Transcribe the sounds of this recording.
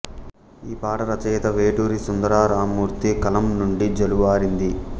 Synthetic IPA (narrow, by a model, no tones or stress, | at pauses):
iːpaːʈɐɾɐt͡ʃɛːt̪ɐʋeːʈuːɾisund̪ɐɾaːɾaːmuːɾt̪ikɐlɐmnuɳɖid͡ʒɐluʋaːɾind̪i